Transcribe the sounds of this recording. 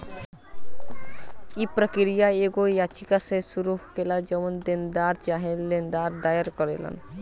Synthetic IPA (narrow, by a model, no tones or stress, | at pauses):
ipɾəkiɾijaeɡojat͡ʃikasesuɾuɦkelad͡ʒɔmond̪end̪aɾt͡ʃaɦelend̪aɾd̪ajəɾkɔɾḛla̰n